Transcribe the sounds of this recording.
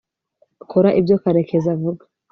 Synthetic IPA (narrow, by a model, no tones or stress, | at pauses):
kʰɔɾaʔivjɔkaɾɛkʰɛzavuɡḁ